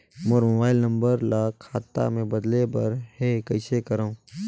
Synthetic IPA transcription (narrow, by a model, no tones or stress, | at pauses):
moːɾmobaːɪlnə̃mbəɾlaːkʰaːt̪ːa̰mẽbɐd̪lebɐɾɦekɐɪsekɐɾaũ